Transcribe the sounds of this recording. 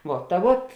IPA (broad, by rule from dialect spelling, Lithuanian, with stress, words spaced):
ˈʋuɔ tɐ ˈʋuɔt